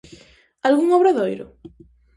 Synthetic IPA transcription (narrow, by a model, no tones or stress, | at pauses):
alɣuŋɔβɾaðojɾʊ̰